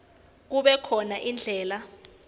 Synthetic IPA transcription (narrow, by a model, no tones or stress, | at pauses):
k̬uɓɛkʰɔnaʔind͡ɮʱɛːla